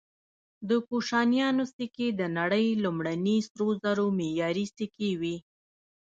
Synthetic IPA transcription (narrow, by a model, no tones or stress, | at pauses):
d̪əkuʃɑnjɑnost̪iked̪ənaɽəjlumɽanisɾozaɾomejɑɾist̪ikewi